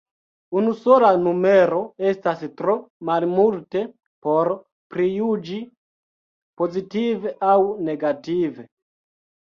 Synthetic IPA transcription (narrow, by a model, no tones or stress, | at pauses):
unusolanumeɾo̞estastɾomalmulte | poɾ | pɾijud͡ʒi | po̞zitiveʔawneɡative